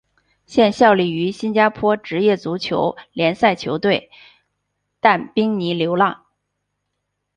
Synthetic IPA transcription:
ɕjɛ˥˧nɕjɑ˥˧ʊli˥˩y˧˥ɕi˥nt͡ɕja˥pʰwɔ˥ʈ͡ʂɻ̩˧˥jɛ˥˩t͡su˧˥t͡ɕʰjo̰˧˥ʊljɛ˧˥nsa˥˩ɪt͡ɕʰjo˧˥ʊt̪we˥˩ɪ | t̪a˥˩npi˥ŋni˧˥ljo˧˥ʊlɑ˥˩ŋ

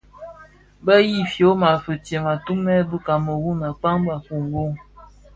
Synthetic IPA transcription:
bə˦ji˦˨fjo˨˦ma˨fə˨te˨ma˨tu˦mɛ˦bə˦ka˨mə˨wu˦na˨k͡pa˦ŋba˨fu˨ŋɡo˦ŋ

